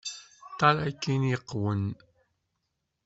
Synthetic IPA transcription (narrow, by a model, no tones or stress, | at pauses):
t̪alajkːiniqwʊn